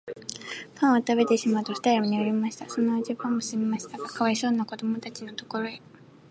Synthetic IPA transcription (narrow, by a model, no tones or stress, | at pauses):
kʰãɰ̃at̪abe̞t̪e̞ɕimaɯt̪osɯ̥t̪aioɲ̟ioɾʲimaɕi̥t̪aso̞noad͡ʑibãmːoɕɨmimaɕi̥t̪aɡakaβaiso̞ːnːako̞d̪o̞mo̞t̪at͡ɕinot̪oko̞ɾo̞e